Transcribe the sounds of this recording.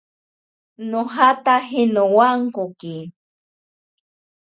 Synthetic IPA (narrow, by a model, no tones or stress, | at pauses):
noɦat̪aɦinowaŋkoki